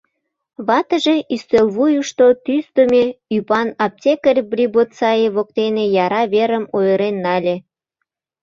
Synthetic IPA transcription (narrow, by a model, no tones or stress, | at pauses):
βɑt̪ə̆ʒeʔyst̪elβujuʃt̪ot̪ysd̪omʲeypɑnɑp̚tʲekərʲbrʲibot̪sɑjeβok̚t̪enejɑɾɑβeɾəmojəɾenːɑlʲe